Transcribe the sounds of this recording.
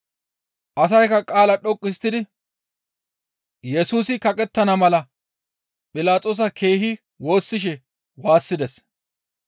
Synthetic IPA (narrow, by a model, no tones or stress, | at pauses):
ʔɐs̬ɐjkɐkʼaːlɐɗɔkʼːɪst̪ːɪd̪ɪ | jɛsuːsɪkɐkʼɛt̪ːɐnɐmɐlɐ | pʼɪlaːtt͡sʼoːs̬ɐkʰe̞ːɦɪ | wo̞ːsːɪʃ̬ɛ | waːsːɪd̪ɛs